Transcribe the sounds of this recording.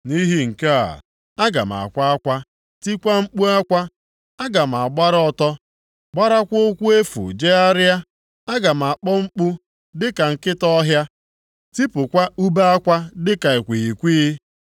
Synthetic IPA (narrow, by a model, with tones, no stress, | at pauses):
ni˦ɦi˦ŋ̩˨ke˦a̰˨ | a˦ɡa̰˨m˨a̰˨kʷa˦kʷa˦ | ti˦kʷa˦ŋ͡m̩˦k͡pu˦a˦kʷa˦ | a˦ɡa˨m̩˨a˨ɡ͡ba˦ɾɔ˦tɔ˦ | ɡ͡ba˦ɾa˦kʷʊ˦kʷu˦e˦fṵ˨d͡ʒe˦a˦ɾɪ˦a˦ | a˦ɡa˨m̩˨a˨k͡pɔ˦ŋ͡m̩˦k͡pu˦ | dɪ˦ka˨ŋ̩˨kɪ˦tɔ˦ɦja˦ | ti˦pʊ˨kʷa˦u˦ba˦a˦kʷa˦dɪ˦ka˨e˨kʷi˨i˨kʷiː˦